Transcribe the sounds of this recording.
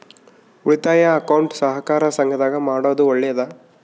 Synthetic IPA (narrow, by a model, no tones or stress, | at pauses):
uɾit̪aːjɐːkɐwɳʈsɐɦɐkaːɾɐsɐŋɡʱɐd̪aːɡɐmaːɽoːd̪uɔɭːɛjɐd̪ɐ